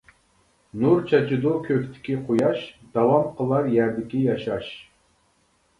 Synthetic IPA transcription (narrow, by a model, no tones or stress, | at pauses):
nuɾt͡ʃʰɑt͡ʃʰid̪ukʲʰøkʲt̪ʰɪ̥kʲiqʰojɑʃd̪̥ɑwɑmqʰəlˠɑɾjæɾd̪ɪkʲijɑʃɑʃ